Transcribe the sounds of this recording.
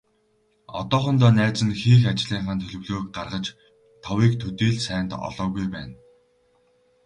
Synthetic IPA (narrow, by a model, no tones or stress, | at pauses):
ɔ̰t̪ɔːχɞ̆nt̪ɔːnæːt͡sɘ̆nxiːxat͡ɕɮiːɴχaːnt̪ʰɵɮɵ̆wɮoːk̚ɢarʁə̆t͡ɕ | t̪ʰɔwiːkt̪ʰɵt̪iːɮsæːnt̪ɔ̰ɮɔːɣujpæ̰ːn